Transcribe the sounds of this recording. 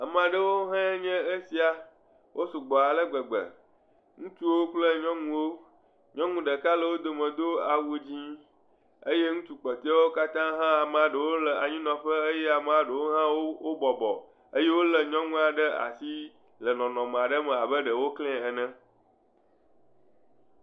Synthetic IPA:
a˨m˨a˨ɖə˦wo˦ɦɛ̃˦ɲɛ̃˦e˦si˨a˨ | wʔo˦su˨ɡ͡bɔ˨a˨lə˦ɡ͡bə˨ɡ͡bə̰˨ | ŋũ˦t͡ʃu˦wo˦k͡plə˦ɲɔ̃˦ŋũ˦wo˦ | ɲɔ̃˦ŋũ˦ɖə˨ka˦lə˨wo˦d̪o˨mə̃˨d̪o˦a˨wu˨d͡ʑĩ˦ | ə˦je˦ŋũ˦t͡ʃu˦k͡pɔ˨t̪e˦a˦wo˦ka˦t̪ã˦ɦã˦a˨m˨a˨ɖə˨wo˦lə˨a˨ɲĩ˦nɔ̃˨ɸə˦ə˦jɛ˦a˨m˦˨a˨ɖə˨wo˦ɦã˦wo˦wo˦bɔ˨bɔ̰˨ | ə˦je˦wo˦lə˨ɲɔ̃˦ŋũ˦a˨ɖə˦a̰˨si˦ | lə˨nɔ̃˨nɔ̃˨m˨a˨ɖə˦mɛ̃˨a˨bə˦ɖə˨wo˦klɛ̃˦˨ɛ˨nɛ̃˦

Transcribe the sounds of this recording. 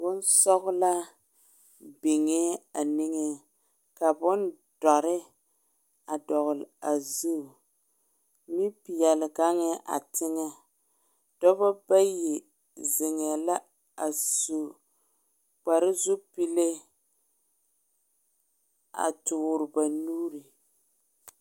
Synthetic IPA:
bʊ˦n˦sɔ˦ɣʊ˦la˦ | be˨ŋe˦a˨nɪ˦ŋe˦ | ka˨bʊ˦n | d̥ɔ˨ɾɪ˦ | a˨dɔ˨ɣʊ˨lɪ˨a˨zu˦˨ | ni˦pi˨jɛ˨lɪ˨ɡa˦ŋɛ˦ʔa̰˨tʰɪ˦ŋa˦ | d̥ɔ˦ba˦ba˦je˨ | zɪ˨ŋɛ˨la˦ | a˨su˦˨ | k͡pa˨ɾɪ˦zu˦pi˦le˦ | a̰˨tʊ˨ʊ˨ɾɪ˨ba˨nuː˦ɾi˨

